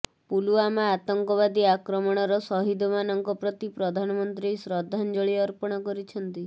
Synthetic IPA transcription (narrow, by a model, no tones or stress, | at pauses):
puluamaːt̪ɔŋkɔβad̪iakɾɔmɔɽ̃ɔɾɔsɔɦid̪ʱɔmanɔŋkɔpɾɔt̪ipɾɔd̪ʱanɔmɔnt̪ɾisɾɔd̪ʱːand͡ʒɔɭiɔɾpɔɽ̃ɔkɔɾit͡ʃʰɔnt̪i